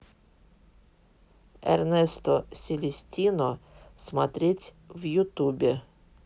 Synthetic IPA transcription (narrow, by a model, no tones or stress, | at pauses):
ḛɾnest̪osʲilʲisʲtʲinosmat̪ɾit͡sʲ | vjut̪ubʲe